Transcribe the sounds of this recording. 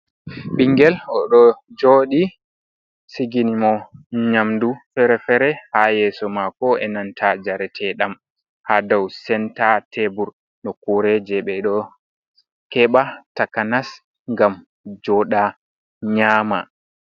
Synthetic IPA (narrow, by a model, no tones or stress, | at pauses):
ɓiŋɡɛlɔɗɔd͡ʒoːɗi | siɡinimɔɲamdufɛɾɛfɛɾɛhajɛːsɔmakɔɛnantʰad͡ʒaɾɛtʰɛɗam | hadawsɛntatɛbuɾ | ɗɔkuɾɛd͡ʒɛɓɛɗɔ | kɛɓatakanas | ŋɡam | d͡ʒɔɗa | ɲaːma̰